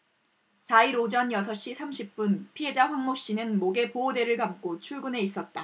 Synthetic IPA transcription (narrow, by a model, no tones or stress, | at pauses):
saiɾod͡ʑʌnjʌsʰʌɕ͈isʰamɕʰip̚p͈unpʰiɦe̞d͡ʑaɸwaŋmok̚ɕ͈inɯnmoɡe̞poode̞ɾɯɭkamk͈ot͡ɕʰuɭɡune̞is͈ʌt̚t͈a